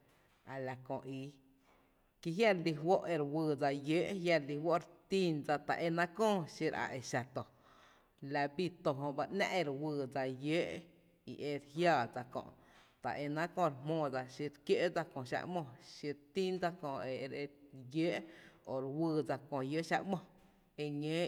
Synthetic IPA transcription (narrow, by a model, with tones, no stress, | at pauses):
a˨la˨kõ˨ʔi˧ | ki˧ɦja˦ɾli˧ɦwo˦ʔe˧ɾwɨː˧˨d͡za˧jeː˦ʔɦja˧ɾli˧ɦwo˦ʔɾt̪i˦nd͡za˧t̪a̰˨ʔe˧nã˦kɔ̃ː˦˨ʃi˧ɾa̰˧˨ʔe˧˨ʃa˧˨t̪o˨ | la˧bi˦˧t̪o˧ɦõ˧ʔba˧ʔnã̰˦˧ʔe˧ɾwɨː˧˨d͡za˧jeː˦ʔ | ḭ˨ʔe˧ɾhjaː˦˧˨d͡za˧kõ̰˧ʔ | t̪a̰˨ʔe˧nã˦kõ˧˨ɾmmõː˧˨d͡za˧ʃi˧ɾkje˦ʔd͡za˧kõ˨ʃa̰˧ʔmõ˧˨ʃi˧ɾt̪i˦nd͡za˧kɔ̃˧˨e˨˧ɾe˧jəː˦ʔo˨ɾwɨː˧˨d͡za˧kõ˨jə˦ʔʃa̰˧ʔmɔ̃˧˨ | e˧ɲẽː˦